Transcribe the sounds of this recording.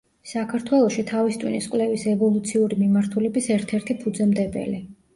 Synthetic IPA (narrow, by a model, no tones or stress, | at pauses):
sakʰaɾt̪ʰwɛlˠɔʃit̪ʰavist̪ʼwḭniskʼwlɛvisɛvɔlˠut̪sʰiuɾimimaɾt̪ʰulɛbisɛɾt̪ʰɛɾt̪ʰipʰud̪zɛmd̪ɛbɛ̰li